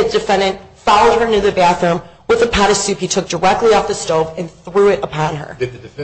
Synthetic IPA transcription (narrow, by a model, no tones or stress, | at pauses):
ɨd̥ɨfɛ̃ndɨ̃ntfɑlˠoʊd̚ə˞nɨðɨbæθɹʉ̃mwəðɨpʰæɾɨsʉphitʰʊk̚d̥ə˞ɛk̚tˡliɔfðɨstoʊvɨ̃nθɹʉɪɾəpʰɑ̃nə̰˞